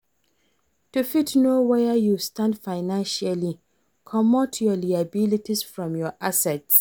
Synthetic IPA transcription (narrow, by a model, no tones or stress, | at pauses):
tufitnowɛəjustãndfaɪnãnʃali | kʰɔmɔtʰjɔliabilitisfɹɔ̃mjɔʔasɛts